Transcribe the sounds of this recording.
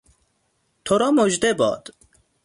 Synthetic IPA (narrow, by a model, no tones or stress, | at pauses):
t̪ʰoɾɔːmoʒd̪ebɔ̰ːd̪̥